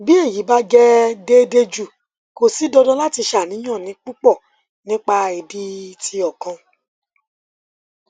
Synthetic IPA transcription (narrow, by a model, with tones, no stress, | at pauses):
bi˦e˦˨ji˨˦ba˦d͡ʒɛ˦de˦de˧d͡ʒu˦˨ | ko˨si˨˦dɔ˧dɔ̃˦la˦ti˧ʃa˨nĩ˨˦j̃ã˦˨nĩ˨˦k͡pu˦k͡pɔ˦˨ | nĩ˦k͡pa˧i˨di˦tʰi˧ɔ˨kã˧